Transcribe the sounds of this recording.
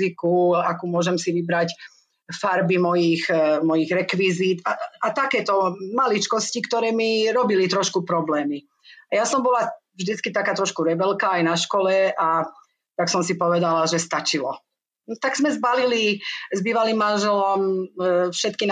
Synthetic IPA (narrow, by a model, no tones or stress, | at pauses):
ikuakuːmʊɔʒɛmsiʋibɾac | faɾbimɔjixmɔjiɣɾɛkʋizit̪aat̪akɛːt̪ɔmalit͡ʃkɔscikt̪ɔɾɛːmiɾɔbilit̪ɾɔʃkupɾɔblɛːmi | ajasɔmbɔla | vʒd̪it͡skit̪akaːt̪ɾɔʃkuɾɛbɛlkaːjnaʃkɔlɛa | t̪aksɔmsipɔʋɛd̪alaʒɛst̪at͡ʃilɔ | t̪aɡz̥mɛzbalilizbiːʋaliːmːanʒɛlɔmfʃɛt̪kin